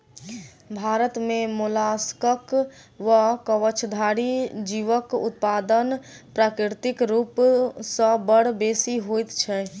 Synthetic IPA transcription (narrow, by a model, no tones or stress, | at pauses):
bʱaːɾət̪mẽmʊlaskəkʋəkəʋət͡ʃʰd̪ʱaːɽid͡ʒiʋəkʊ̰t̪̚paːd̪ənpɾaːkɾɪɾt̪ɪkɾuːpsə̃bəɽ̤beːsiɦojt̪t͡ʃʰɛ